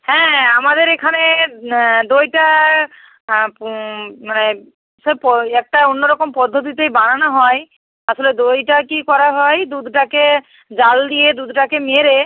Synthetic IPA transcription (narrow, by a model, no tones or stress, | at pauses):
hɛ̃amad̪eɾekʰane | d̪ojʈa | mane | aʃɔpɔɛk̚ʈaonːoɾɔkompɔd̪ʱːot̪̬it̪ejbananaɦɔj | aʃoled̪ojʈakikɔɾaɦɔjd̪ud̪ʱʈake | d͡ʑald̪ijed̪ud̪ʱʈakemeɾe